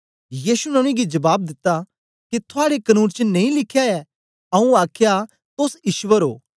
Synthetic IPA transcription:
jiːsunɐñĩɡid͡ʒɐbaːb̚d̪ɪt̪ːa | kit̪ʰʊaːɽekɐnũːnt͡ʃənɐ̃ĩlɪkʰːjaɛ | ɐũaːkʰja | t̪osɪʃʋəɾɦo̰ː

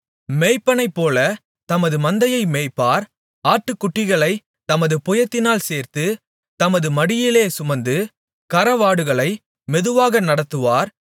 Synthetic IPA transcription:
meːjpːɐnɐɪpːoːlɐ | t̪ɐmɐðɯmɐnd̪ɐjɐɪmeːjpːaːɾ | aːʈːɯkːʊʈːɪɣɐɭɐɪ | t̪ɐmɐðɯpɔjɐt̪ːɪnaːlseːɾt̪ɯ | t̪ɐmɐðɯmɐɽɪjɪleːsʊmɐnd̪ɯ | kɐɾɐʋaːɽɯɣɐɭɐɪ | mɛðɯʋaːɣɐnɐɽɐt̪ːɯʋaːɾ

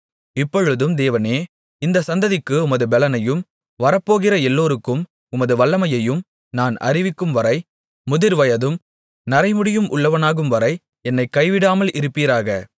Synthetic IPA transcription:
ɪpːɔɻɯðɯmd̪eːʋɐneː | ɪnd̪ɐsɐnd̪ɐðɪkːɯʊmɐðɯbɛlɐnɐjɯm | ʋɐɾɐpːoːɣɪrɐɛlːoːɾɯkːɯm | ʊmɐðɯʋɐɭːɐmɐjɐjɯm | naːnɐ̰ɾɪʋɪkːɯmʋɐɾɐɪ | mʊðɪɾʋɐjɐðɯm | nɐɾɐɪmɯɽɪjɯmʔʊɭːɐʋɐnaːɣɯmʋɐɾɐɪ | ɛnːɐɪkːɐɪʋɪɽaːmɐlʔɪɾɯpːiːɾaːɣɐ

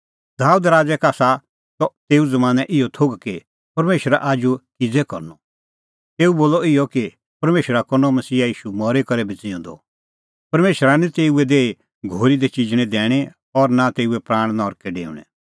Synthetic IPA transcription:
d̪aːud̪ɾaːd͡zɛkaːsa | t̪ɔt̪eːuzɐmaːnɛʔɪjɔt̪ʰoːɡki | pɐɾmeːʃəɾa̰ʔaːd͡ʒukɪd͡zɛkɔ̰ɾnɔ | t̪eːuboːlɔɪjɔki | pɐɾmeːʃəɾakɔnɔmɐsiːajiːʃumɔɾekɐɾɛbʱit͡sɪõnd̪ɔ̰ | pɐɾmeːʃəɾanĩt̪eːuɛd̪eːi | ɡʱoːɾid̪et͡ʃɪd͡ʒɽ̃ɛ̃d̪ɛːɽ̃ɛ | ɔɾnat̪eːuɛpɾãːɽ̃nɔːɾkɛɖḛːṵɽ̃ɛ̰

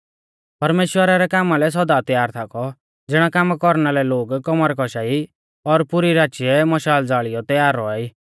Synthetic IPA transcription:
pɐɾmeːʃwəɾaɾɛkaːmalɛs̬ɔd̪at̪jaːɾt̪ʰakɔ | d͡zɪɽ̃akamkɔɾnalɛloːɡkɔmaɾkɔʃai | ɔɾpʊɾiɾaːt͡ʃiɛmɐʃaːld͡zaːɭijɔt̪jaːɾːɔaiː

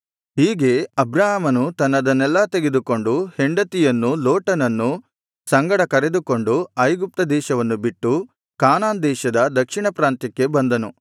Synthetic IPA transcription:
ɦiːɡe̞ɐbɾaːɦɐmɐnut̪ɐnːɐd̪ɐnɛlːɐt̪e̞ɡe̞d̪uko̞ɳɖuheɳɖɐt̪ijɐnːuloːʈɐnɐnːu | sɐŋɡɐɽɐkɐɾed̪uko̞ɳɖuɐjɡup̚t̪ɐd̪ɛːʃɐʋɐnːubiʈːu | kaːnaːnd̪ɛːʃɐd̪ɐd̪ɐkʂiɳɐpɾaːnt̪ikːe̞bɐnd̪ɐnu

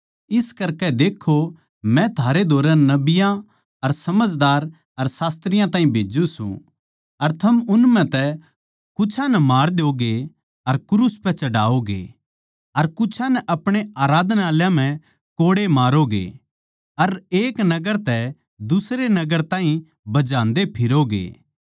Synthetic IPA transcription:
ɪskɐɾkɛd̪eːkʰːo | mɛ̃t̪ʰaːɾed̪ʱoːɾɛ̃nɐbɪjã | ɐɾsɐməd͡ʒd̪aːɾ | ɐɾsaːst̪ɾɪjãt̪ãːɦĩbʱeːd͡ʒũsṵ̃ | ɐɾt̪ʰɐmʊnmɛ̃t̪ɛ | kʊt͡ʃʰãnɛmaːɾd̪oːɡe | ɐɾkɾuspɛ̃t͡ʃɐɽa̰ːoɡḛ | ɐɾkʊt͡ʃʰãnɛʔɐpɽ̃eaːɾaːd̪naːljãm̤ɛ̃ | koːɽemaːɾoɡḛ | ɐɾeːknɐɡəɾt̪ɛ | d̪ʊsɾenɐɡəɾt̪ãːɦĩ | bɐd͡ʒãːnd̪epʰɪɾoɡḛː

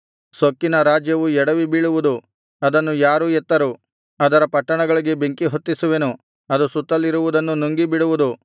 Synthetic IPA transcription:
sokːinɐɾaːd͡ʒjɐʋuɛɽɐʋibiːɭuʋud̪u | ɐd̪ɐnːujaːɾuɛt̪ːɐɾu | ɐd̪ɐɾɐpɐʈːɐɳɐɡɐɭiɡe̞beŋkiɦot̪ːisuʋenu | ɐd̪usut̪ːɐlːiɾuʋud̪ɐnːunuŋɡibiɽuʋud̪u

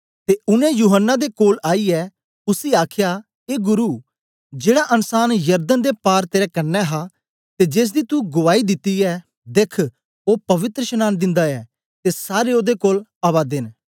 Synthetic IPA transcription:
t̪eːʊnɛ̃juːɦənːad̪ekoːlaːiɛː | ʊsiːaːkʰja | eːɡʊɾuː | d͡ʒeːɽaʔɐnsaːnjɐɾd̪ənd̪epaːɾt̪eːɾɛkɐnːɛɦa | t̪ed͡ʒeːs̬d̪iːt̪uɡʊʋaːid̪ɪt̪ːiɛ | d̪ekʰ | oːpɐʋɪt̪ɾəʃənaːnd̪ɪ̃nd̪aɛː | t̪esaːɾeoːd̪ekoːlaːʋaːd̪ɪn

